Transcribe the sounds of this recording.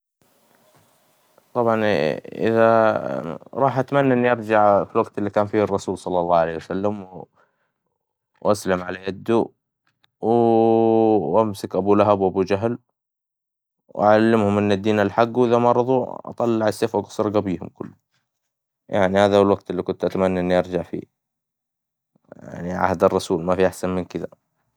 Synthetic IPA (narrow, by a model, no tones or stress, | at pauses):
t̪ˤɑbʕɑnʔɪ̰ða | ɾˤɑːħʔat̪manːaʔɪnːiʔɑɾˤd͡ʒaʕfilwaɡt̪ɪlːikaːnfiːɨrˤːɑsuːlsˤɑlːɑlːɑːʕalejhjwasalːam | ʔaslamʕalajad̪ːu | w | ʔamsɪkʔabulaɦabwʔabud͡ʒaɦl | wʔaʕalːɪmhʊmʔɪnːad̪ːiːnalħaɡːwʔɪðamɑʔɾˤɑðˤuʔɑ̰t̪ˤɑlːɑʕasːeːfwaɡɑ̥sˤɾˤɡabiːhʊmkʊ̰lːʊ | ja̰ʕnihaːðahwalwaɡ̚t̪ɪlːikʊnt̪ʔat̪amanːaʔɪnːiʔɑɾˤd͡ʒaʕfḭ | a̰ʕniʕa̰hd̪ɑrˤːɑsuːlmafiʔaħsanmɪnkɪða̰